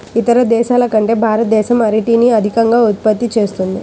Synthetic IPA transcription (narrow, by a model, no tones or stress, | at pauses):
it̪ɐɾɐd̪ɛːʃaːlɐkɐɳʈe̞ːbʱaːɾɐt̪̚d̪ɛːʃɐmɐɾiʈiːniɐd̪ʱikɐŋɡaːut̪̚pɐt̪ːit͡ʃe̞ːst̪und̪i